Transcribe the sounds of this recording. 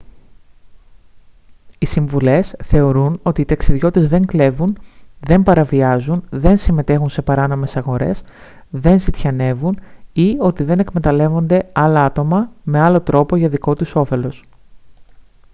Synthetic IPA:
isiɱvule̞sθe̞o̞ɾuno̞t̪iːt̪ɐksiðʝo̞t̪ezðe̞ŋkle̞vunðe̞mpɐɾɐviɐzunðe̞nsime̞t̪e̞xunse̞pɐɾɐno̞me̞sɐɣo̞ɾe̞̰s | ðe̞nzit̪çɐne̞vunio̞t̪iðe̞ne̞kme̞t̪ɐle̞vo̞nd̪e̞ɐlɐɐt̪o̞mɐme̞ɐlo̞t̪ɾo̞po̞ʝɐðiko̞t̪uso̞fe̞lo̞s

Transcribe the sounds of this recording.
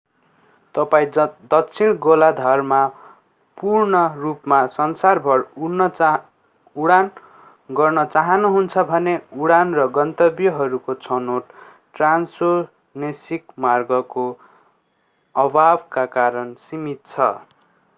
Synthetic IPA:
t̪ʌpaĩd̪ʌkt͡sʰiɽɡolad̪ʱʌrma | purnʌrupmasʌnsarbʱʌɽun | uɽan | ɡʌrnʌt͡saɦʌnuɦunt͡sʰʌbʱʌneuɽanrʌɡʌnt̪ʌbjʌɦʌɾukot͡sʰʌnoʈ | ʈranso | nesikmarɡʌko | ʌbʱabkakaɾʌnsimit̪̚t͡sʰʌ

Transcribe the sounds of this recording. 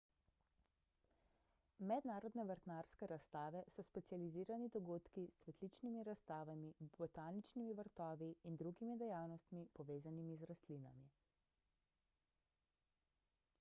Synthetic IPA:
mɛd̪naːɾɔd̪nɛʋəɾt̪naːɾskɛɾast̪aːʋɛsɔspɛt̪sializiːɾanid̪ɔɡoːt̪kissʋɛt̪lit͡ʃnimiɾast̪aːʋamibɔt̪aːnit͡ʃnimiʋəɾt̪ɔːʋiːnd̪ɾuɡimid̪ɛjaːwnɔst̪mipɔʋeːzanimizɾast̪lina̰mi

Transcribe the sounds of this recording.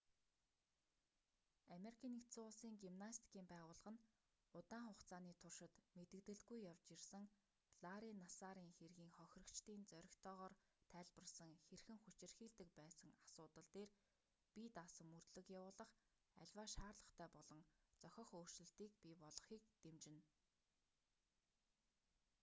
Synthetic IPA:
ameɾikʰiːnikt̪sʊɮsiːŋɡimnast̪ʰkʰiːmpæːʁʊːɮə̆ʁə̆n | ʊt̪aːɴχʊχt͡sʰaːniːt̪ʰʊrʃɪ̆t̪met̪ɘ̆k̚t̪ɘ̆ɮɡujːawt͡ɕirsə̆ŋ | ɮ̥aɾinasaɾiːŋxerɣiːŋχœxʲrə̆kt͡ɕt̪iːnt͡sœɾʲɪ̆xt̪ʰɔːʁɔːr | t̪ʰæːɮpə̆rsə̆ŋxerxɘ̆ŋxut͡ɕɪ̆rxiːɮt̪ɘ̆k̚pæːsə̆ŋḁsʊːt̪ə̆ɮt̪eːr | pit̪asə̆murt̪ɮɵ̆kjawʊːɮə̆χ | æ̰ɮʲwaːʃaːrɮə̆χt̪ʰæːpɔɮɞ̆ŋt͡sœxʲɞ̆χoːr̥t͡ɕɘ̆ɬt̪iːkpʲipɔɮɞ̆χiːk̚t̪emt͡ɕɪ̆n

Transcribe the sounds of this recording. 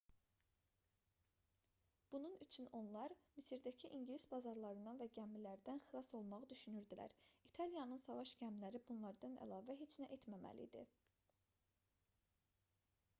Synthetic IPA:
b̥ununyt͡ʃʰyno̞nlˠɑɾmisiɾd̪æcʰiʔiɲɟlisbɑzɑɾlˠɑɾɯnd̪ɑnvæɟæmilæɾd̪ænxilˠɑso̞lˠmɑʁɯd̪yʃynyɾd̪ilæ̰ɾit̪ʰɑlˠijɑnɯnsɑvɑʃɟæmlæɾibunlˠɑɾd̪ɑnæ̰lˠɑːvæɦe̞t͡ʃʰnæʔet̪mæmæ̰lḭd̪ḭ

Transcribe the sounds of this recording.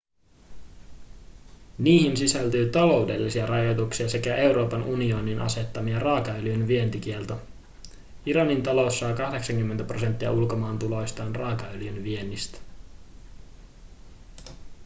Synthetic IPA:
niːhinsisælt̪yːt̪ɑlo̞wde̞lːisiɑrɑjo̞t̪uksiɑse̞kæʔe̞wɾo̞ːpɑnʔunio̞ninʔɑ̰se̞t̪ːɑmiɑrɑːkɑyljynʋie̞nt̪ik̟ie̞lt̪ɑ | iɾɑnint̪ɑlo̞sːɑːkɑhde̞ksɑŋkymːent̪æpro̞se̞nt̪ːiɑ̰ulko̞mɑːnt̪ulo̞jst̪ɑːnrɑːkɑøljynʋie̞nːist̪æ̥

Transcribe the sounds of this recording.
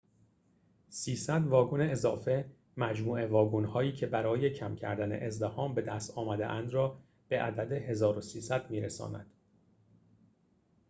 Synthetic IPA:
siːsæd̪vɒːɡune̞ezɒːfe̞ | mæd͡ʒmuːe̞vɒːɡunhɒːiːcʰe̞bæɾɒːje̞cʰæmcʰæ̰ɾd̪æne̞̰ʔezd̪ehɒːmbe̞d̪æst̪ɒːmæd̪ḛʔænd̪rɒː | b̥e̞ʔæ̰d̪æd̪e̞ɦe̞zɒːɾosiːsæd̪̥miːɾesɒ̰ːnæ̰d̪̥

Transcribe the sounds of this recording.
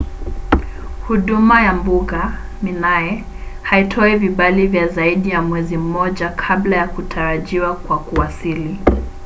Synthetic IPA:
huɗumajambuɠa | minajɛ | haitʰɔɛviɓalivjazaiɗijamwɛzim̩mɔʄakʰaɓlajakutʰaɾaʄiwakwakuasili

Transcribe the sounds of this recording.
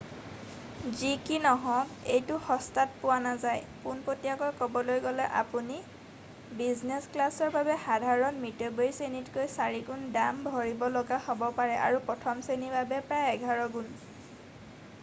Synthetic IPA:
zikinɔɦɔ̃kejtʊxɔstat̚pʊwanazajpunpotijakɔjkɔbɔlojɡɔlɛʔa̰puni | biznesklasɔɹbabɛxadʱaɹɔnmitobojisenitkojsaɹiɡundambʱɔɹibɔlɔɡahobɔpaɹɛʔa̰ɹupɹɔtʰɔmsenibʱabɛpɹajɛɡʱaɹɔɡun

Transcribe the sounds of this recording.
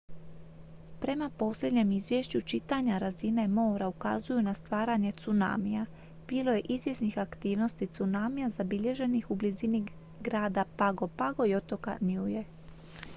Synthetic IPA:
pɾe̞mapo̞sʎʲe̞d̪ɲe̞mizʋje̞ʃt͡ɕut͡ʃit̪aɲaɾazine̞mo̞ːɾauka̰zujunast̪ʋaːɾaɲe̞t̪suna̰ːmija | b̥iːlo̞je̞ʔizʋje̞snixakt̪iːʋno̞st̪it̪sunaːmijazabiʎe̞ʒe̞nixublizini | ɡɾaːd̪apaɡo̞paɡo̞jo̞t̪o̞ka̰niuje

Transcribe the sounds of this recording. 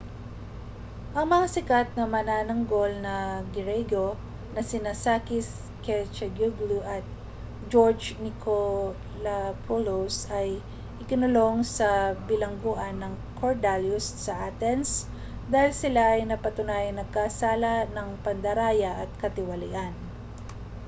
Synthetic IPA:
ʔɐŋmɐŋasɪkat̪̚nɐmɐnanɐŋɡo̞lnɐɡɪɾɛɡo | nɐsɪnasaːkɪs | kɛt͡ʃɐɡuɡluʔɐt̪̚ | d͡ʒoɹd͡ʒnɪkʰo | lɐpʰolosɐj | ʔɪkɪnʊlo̞ŋsɐbɪlɐŋɡoʔɐnːɐŋ | kʰoɹd̪aljʊssɐʔaːt̪ɛns | d̪aːhɪlsɪlaɐjnɐpɐt̪ʊnaːjɐŋnɐɡ̚kasaːlɐnɐŋpɐnd̪ɐɾaːjɐʔɐt̪̚kɐt̪ɪwɐlɪ̰ʔan

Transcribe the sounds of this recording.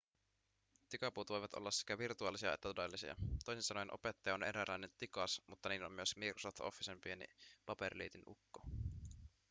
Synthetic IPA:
t̪ikɑpuːt̪ʋo̞jʋɑt̪o̰lːɑsse̥kæʋirt̪uɑlisiɑ̰ḛt̪ːæt̪ode̞lːisḭɑ̰t̪o̞jsinsɑnojenʔo̞̰pet̪ːɑjɑone̞ɾælːɑjne̞nt̪ikɑsmut̪ːɑniːlomːyøsmikrosoft̪o̰fːisempienḭpɑperlḭːt̪inṵkːo

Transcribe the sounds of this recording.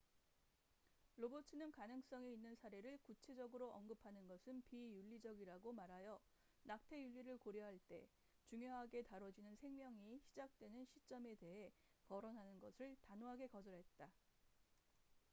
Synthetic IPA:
ɾobotʰɯnɯnkanɯŋs͈ʌŋeinːɯnsʰaɾe̞ɾɯɭkut͡ɕʰe̞d͡ʑʌɡɯɾoʔʌnɡɯpʰanɯnɡʌsʰɯnpijuʎːid͡ʑʌɡiɾaɡomaɾajʌ | nak̚tʰe̞juʎːiɾɯɭkoɾjʌɦaɭt͈e̞ | t͡ɕuŋjoɦaɡe̞taɾʌd͡ʑinɯnsʰe̞ŋmjʌŋiɕʰid͡ʑak̚t͈we̞nɯnɕʰit͡ɕ͈ʌme̞te̞ɦe̞kʌɾʌnɦanɯnɡʌsʰɯɭtanoɦaɡe̞kʌd͡ʑʌɾɦe̞t̚t͈a

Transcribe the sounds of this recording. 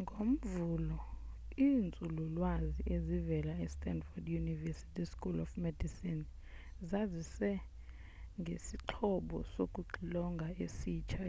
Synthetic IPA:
ŋɡʱom̩vuːlɔiːnt͡sʼululwaziʔezivɛlaɛstʼɛndfɔdjunivɛsi̥tʰʼiskʼulɔfmɛdisin | zazisɛ | ŋɡʱesiǃʰɔɓɔ̰sokʼuɡ͡ǃʱilɔŋɡʱaesiːt͡ʃʰa

